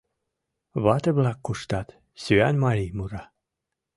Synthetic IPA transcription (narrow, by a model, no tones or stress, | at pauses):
βɑt̪ĕβlɑkːuʃt̪ɑt̪ | syænmɑlʲimuɾɑ